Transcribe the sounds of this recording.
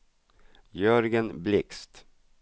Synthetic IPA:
jœɾɡənblɪkst̪

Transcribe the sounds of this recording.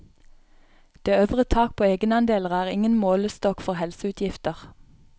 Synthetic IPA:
d̪̥eːøʋʁət̪ʰɑːk̚pʰoːeːɡənɑnd̪eːləʁæːʁɪŋənmoːləst̪ɔkfɔʁhɛlsəʉːt̪ʰjɪft̪əʁ

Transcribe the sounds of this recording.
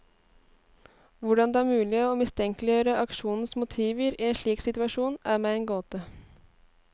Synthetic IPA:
ʋʊɖɑnd̪ɛæːɾmʉːlɪːoːmɪst̪ʰɛŋklɪjøːɾəʔɑkʃuːnn̩smʊt̪ʰiːʋəɾiːeːnʃɭiːksɪt̪ʉɑʂuːnæːɾmeːeːnɡoːt̪ə

